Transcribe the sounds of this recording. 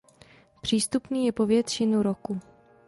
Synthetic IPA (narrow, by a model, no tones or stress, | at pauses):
pr̝̥iːst̪upniːjɛpovjɛt̪rɪnuɾoku